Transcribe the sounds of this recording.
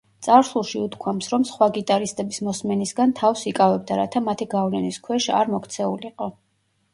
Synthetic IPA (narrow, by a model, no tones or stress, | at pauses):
t̪sʼaɾsulˠʃiut̪kʰwamsɾɔmsχwaɡit̪ʼaɾist̪ʼɛbismɔsmɛnisɡant̪ʰafsikʼavɛb̚d̪aɾat̪ʰamat̪ʰiɡavlɛniskʰwɛʃa̰ɾmɔkʰt̪sʰɛuliiqʼɔ